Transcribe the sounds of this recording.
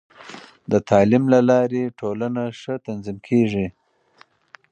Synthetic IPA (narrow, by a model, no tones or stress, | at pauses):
d̪ət̪ʰɑlɪmlalɑɾeʈʰolanaʂət̪anzimkʰeʐi